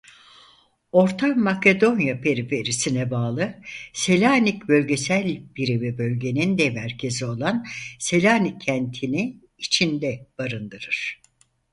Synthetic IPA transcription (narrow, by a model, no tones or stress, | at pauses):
o̞ɾt̪ʰakmake̞d̪o̞njapʰe̞ɾife̞ɾisinɛbaːlˠɯse̞lʲanicbø̞lʲɟe̞sælʲbiɾivɛbø̞lʲɟe̞nind̪ɛmæɾcʰe̞zio̞lˠanse̞lʲaːnicʰːɛnt̪ʰiniː | t͡ʃʰind̪ɛb̥aɾɯnd̪ɯɾɯɾ̥